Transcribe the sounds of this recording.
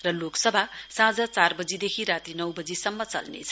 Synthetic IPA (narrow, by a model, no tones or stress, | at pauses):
rʌloksʌbʱasãd͡zʌt͡sarbʌd͡zid̪ekʰiɾat̪inʌwbʌd͡zisʌmːʌt͡sʌ̰lnḛt͡sʰʌ̥